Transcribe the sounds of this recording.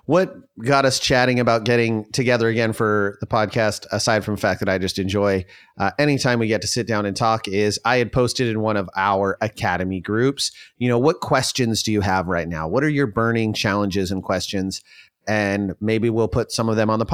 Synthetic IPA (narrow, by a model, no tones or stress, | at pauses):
wʌt̚ɡ̥ɑɾʌst͡ʃʰæɾɪ̃ŋɨbaʊt̚ɡ̥ɛɾɪ̃ŋtʰɨɡɛðə˞ɨɡɛ̃nfə˞ðəpʰɑd̚kʰæstəsaɪd̥fɹʌ̃məfæk̚ðɨɾaɪd͡ʒʌstɨ̃nd͡ʒɔɪ | ʔɛñitʰãɪ̃mwiɡɛtʰɨ̥sɪt̚d̥ãʊ̃nɨ̃ntʰɔkɪzaɪɨd̚pʰoʊstɨɾɨ̃nwʌ̃ɾ̃ʌvaʊə˞ʔɨkʰæɾɨmiɡɹʉpsjɨñoʊwʌt̚kʰw̥ɛst͡ʃɨ̃nzdɨjɨəvɹaɪtⁿnaʊwʌɾə˞jə˞bɜ̃˞nɪ̃ŋt͡ʃʰælˠə̃nd͡ʒɪzɨ̃nkʰw̥ɛst͡ʃɨ̃nz | ɨ̃nmeɪbiwilˠpʰʊtsʌ̃mʌvðɨ̃mə̃nðəpʰ